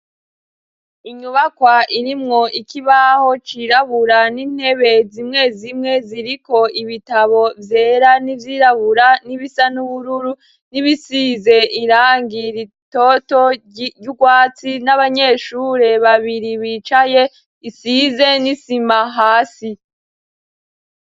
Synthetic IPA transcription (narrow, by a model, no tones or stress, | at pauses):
iɲuβakwaʔiɾimŋo̞ʔikiβaho̞t͡ʃiɾaβuɾaniːn̥he̞βe̞zimŋe̞zimŋe̞ziɾiko̞iβitaβo̞vje̞ɾanivjiːɾaβuɾaniβisanuβuɾuɾu | niβisize̞ʔiɾaːŋɡiɾito̞to̞ | uɡwaːt͡sinaβaɲe̞ʃuɾe̞βaβiɾiβit͡ʃaje̞ | isize̞nisimaɦaːsi